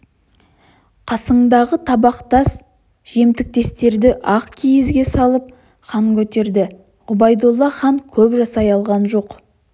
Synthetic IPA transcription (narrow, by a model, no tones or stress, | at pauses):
qʰɑsəɴd̪ɑʁət̪ʰɑbɑqt̪ɑs | ʒ̥e̞mt̪ɪk̚t̪e̞st̪e̞ɾd̪ɪʔɑqkʲʰijɪzɡʲe̞sɑlˠəp̚ | χɑŋkʲɵt̪e̞ɾd̪ɪ | ʁʊbɑjd̪olˠːɑχɑŋkʲʰɵpʒɑsɑjɑlˠʁɑnʒo̞q